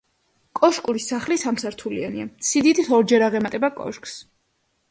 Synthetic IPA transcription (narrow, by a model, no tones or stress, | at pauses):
kʼɔʃkʼuɾisaχlisamsaɾt̪ʰulia̰nḭasid̪it̪ʰisɔɾd͡ʒɛɾaʁɛmat̪ʼɛbakʼɔ̰ʃkʼs